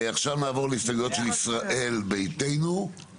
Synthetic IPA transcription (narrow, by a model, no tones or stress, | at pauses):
aχʃavnaːvo̞leistaɡlo̞t̪ʃelisʁaʔe̞lbe̞jte̞jnu